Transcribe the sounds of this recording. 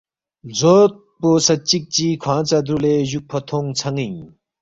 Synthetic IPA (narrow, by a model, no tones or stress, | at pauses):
d͡zot̪̚posɐt͡ɕik̚t͡ɕikʰãːt͡sad̪uleʑuk̚pʰɐt̪ʰoŋt͡sʰɐŋiɲ